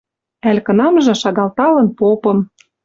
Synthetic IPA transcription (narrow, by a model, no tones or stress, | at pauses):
ælʲkɤ̆nɑmʒɤ̆ʃɑɣɑlt̪ɑlɤ̆npopɤ̆m